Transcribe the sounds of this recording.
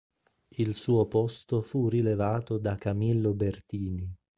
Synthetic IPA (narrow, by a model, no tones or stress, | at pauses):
ilsuːopɔst̪ofurilevaːt̪od̪akamilːobert̪iːni